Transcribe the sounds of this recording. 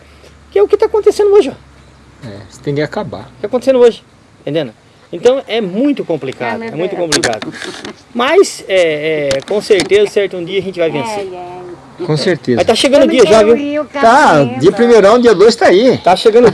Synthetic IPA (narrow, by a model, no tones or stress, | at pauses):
kɪɛʊkɪt̪akõnt̪esẽnd̪ʊoʒɪɔ | ɛ̰st̪ẽj̃kɪakaba̰ʊkɪakõt̪esẽnoʒɪ̃ | t̪ẽnd̪ẽnʊ | ẽnt̪ɐ̃w̃ʔɛmũj̃t̪ʊkõmplika̰d̪ʊɛmũj̃t̪ʊkõplika̰d̪ʊ | mɐjsɛɛkõseɾt̪ezɐsɛɾt̪ʊũd̪iɐʒẽnt͡ʃɪvajvẽseɾ | kõseɾt̪ezat̪aʃeɡɐ̃nʊd͡ʒiɐʒaviwt̪ad͡ʒiɐpɾimejɾɐ̃w̃d̪iɐd̪ojst̪ait̪aʃeɡɐ̃nd̪ʊ